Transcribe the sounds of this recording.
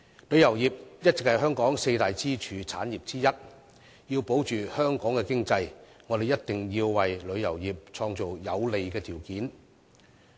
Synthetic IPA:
lɵ˨˧ɥjɐ˨˩wjiː˨p̚jɐ˥t̚t͡sɪ˨k̚hɐ˨jɦœː˥ŋkɔː˨˥ŋse˧jt̪aː˨jt͡siː˥t͡ʃʰyː˨˧t͡sʰa̰ː˨˥njiː˨˩p̚t͡siː˥jɐ˥t̚ | jiː˧wpo˨˥wt͡ʃyː˨hœː˥ŋkɔː˨˥ŋkɛː˧kɪ˥ŋt͡sɐ˧j | ŋɔː˨˧d̪e˨jɐ˥t̚t̪ɪ˨˩ŋjiː˧wwɐ˨jlɵ˨˧ɥjɐ˨˩wjiː˨p̚t͡ʃʰɔː˧ŋt͡so˨wjɐ˨˧wle˨jkɛː˧t̪ʰiː˨˩wkiː˨˥n

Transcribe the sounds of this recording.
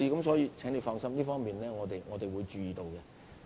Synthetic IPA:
iː˧kɐ˨˥msɔː˨˥jiː˧t͡sʰɛː˨˥ŋle˨˧wfɔː˧ŋsɐ˥mliː˥fɔː˥ŋmiː˨nlɛː˥ŋɔː˨˧t̪e˨jŋɔː˨˧t̪e˨jwuː˨˧jt͡ʃyː˧jiː˨t̪o˧wkɛ˧

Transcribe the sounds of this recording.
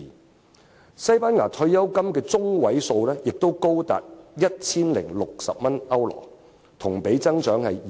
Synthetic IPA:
sɐ˥jpaː˥nŋaː˨˩t̪ʰɵ˧ɥjɐ˥wkɐ˥mkɛː˧t͡sʊ˥ŋwɐ˨˥jso˧wlɛː˥jɪ˨k̚t̪o˥wko˥wt̪a̰ː˨t̚jɐ˥t̚t͡sʰiː˥nlɪ̰˨˩ŋlʊ˨k̚sɐ̰˨p̚mɐ˥nɐ˥wlɔ̰ː˨˩ | t̪ʰʊ˨˩ŋpe˨˥jt͡sɐ˥ŋt͡ʃœː˨˥ŋhɐ˨j

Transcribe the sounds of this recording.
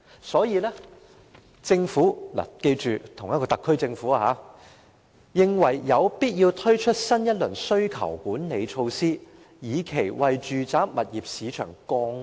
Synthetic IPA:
sɔː˨˥jiː˨˧lɛː˥ | t͡sɪ˧ŋfuː˨˥la̰ː˨˩ke˧jt͡ʃyː˨t̪ʰʊ˨˩ŋjɐ˥kɔː˧t̪ɐ˨kʰːɵ˥ɥt͡sɪ˧ŋfuː˨˥a˧ɦaː˨˦ | jɪ˨ŋwɐ˨˩jjɐ˨˧wpiː˥t̚ji˧wt̪ʰɵ˥ɥt͡ʃʰɵ˥t̚sɐ˥njɐ˥t̚lɵ˨˩ŋsɵ˥ɥkʰɐ̰˨˩wkuː˨˥nne˨˧jt͡ʃʰo˧wsiː˥ | jiː˨˧kʰe˨˩jwɐ˨jt͡ʃyː˨t͡saː˨˥mɐ˨t̚jiː˨p̚siː˨˧t͡ʃʰœ̰ː˨˩ŋkɔː˧ŋ

